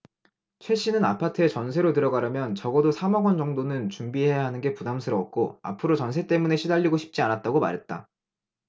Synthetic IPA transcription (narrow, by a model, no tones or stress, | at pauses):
t͡ɕʰwe̞ɕ͈ʰinɯna̰pʰatʰɯe̞t͡ɕʌns̬ʰe̞ɾotɯɾʌɡaɾɯmjʌnt͡ɕʌɡʌdosʰamʌɡʌnd͡ʑʌŋdonɯnt͡ɕumbiɦe̞jaɦanɯnɡe̞pudamsʰɯɾʌk̚k͈oa̰pʰɯɾot͡ɕʌnsʰe̞t͈e̞mune̞ɕʰidaʎːiɡoɕʰi̥p̚t͡ɕ͈ianat̚t͈aɡoma̰ɾɦe̞t̚t͈a̰